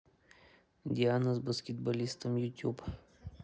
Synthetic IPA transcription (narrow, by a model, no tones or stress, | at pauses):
d̪ʲianɐzbɐskʲɪt̪bɐlʲist̪əmjʊt̪ʲjup